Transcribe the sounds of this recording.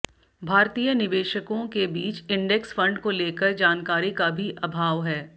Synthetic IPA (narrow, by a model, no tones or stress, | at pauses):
bʱaːɾt̪iːjənɪʋeːʃəkõkebiːt͡ʃɪ̃ɳɖɛksfɐ̃ɳɖkoleːkəɾd͡ʒaːnkaːɾikabʱiʔɐbʱaːʋɦɛː